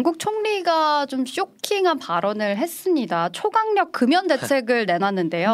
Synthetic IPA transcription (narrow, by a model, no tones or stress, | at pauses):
ŋɡuk̚t͡ɕʰoŋɲiɡat͡ɕomɕ͈okʰiŋɦanpaɾʌnɯɭɦe̞s͈ɯmɲidat͡ɕʰoɡaŋɲʌk̚k͈ɯmjʌnde̞t͡ɕʰe̞ɡɯɭne̞nanːɯnde̞jo